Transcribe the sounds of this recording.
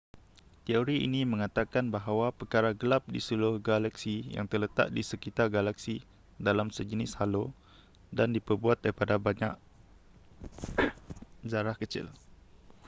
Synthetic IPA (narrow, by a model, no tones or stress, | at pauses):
t̪ioɾiḭnĩmə̃ŋat̪akanbaɦawapərkaɾaɡəlap̚disulʊhɡalaksija̰ŋt̪ərlət̪a̰ʔ̚disəkit̪arɡalaksi | dalamsəd͡ʒənɪshalo | dandipərbuat̪̚daɾipadabaɲa̰ʔ | zaɾahkət͡ʃɪ̰l